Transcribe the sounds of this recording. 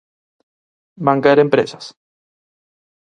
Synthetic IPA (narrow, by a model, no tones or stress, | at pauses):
baŋkaeɾempɾḛsas